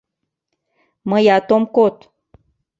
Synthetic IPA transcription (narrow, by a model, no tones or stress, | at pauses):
məjat̪omkot̪